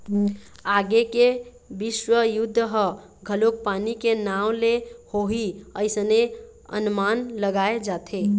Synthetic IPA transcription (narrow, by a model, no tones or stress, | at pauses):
aɡeke | biswəjud̪ʱːəɦə | ɡʱəlok̚panikenawlehoɦiəɪsəne | ə̰nmanləɡaed͡ʒat̪ʰe